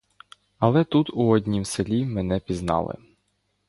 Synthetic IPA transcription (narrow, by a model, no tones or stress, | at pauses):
ɐlˠɛt̪ut̪uɔdʲnʲimselʲimɛnɛpʲiznɑ̰lˠɪ̰